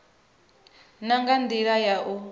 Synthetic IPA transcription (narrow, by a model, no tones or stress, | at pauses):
naŋɡand̪iɺajaʔu